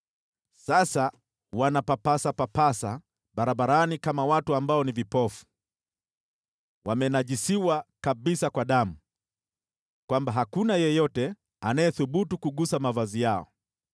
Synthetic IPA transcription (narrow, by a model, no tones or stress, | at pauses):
sasa | wanapapasapapasa | ɓaɾaɓaɾanikamawatuambaɔnivipɔfu̥ | wamɛnaʄisiwakaɓisakwaɗamu | kwambaɦakunajɛjɔtɛ | anajɛθuɓutukuɠusamavazijaɔ̰